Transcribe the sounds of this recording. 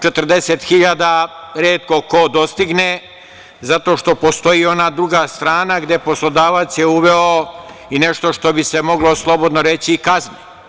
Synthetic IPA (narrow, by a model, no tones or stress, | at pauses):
t͡ʃe̞t̪ər̩d̪e̞set̪xiʎad̪aɾeːt̪ko̞kod̪o̞st̪iɡne | zat̪o̞ʃt̪o̞po̞st̪o̞jio̞nad̪ɾuɡast̪ɾaːnaɡd̪e̞poslˠo̞d̪aːʋat̪sjeuʋeo | ine̞ʃt̪o̞ʃt̪o̞bise̞mo̞ɡlo̞slˠo̞bo̞d̪noɾe̞t͡ɕiːkazni